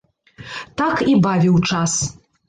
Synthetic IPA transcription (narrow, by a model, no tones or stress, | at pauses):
t̪akibavʲiwt͡ʂas